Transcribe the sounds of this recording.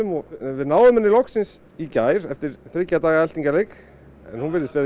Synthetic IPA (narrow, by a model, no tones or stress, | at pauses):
ʏmɔvɪðnaːwðʏmhɛnːɪlɔhksɪns | icaːjɾɛft̪ɪɾ̥θɾɪcːat̪aːɣaɛl̥t̪iŋcalejk | ɛ̰nhunvɪɾðɪst̪ɛːɾ